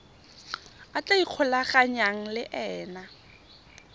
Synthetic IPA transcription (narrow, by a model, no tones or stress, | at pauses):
at͡ɬaiq͡χʰʊlaχaɲaŋ̩lɪʔɛːna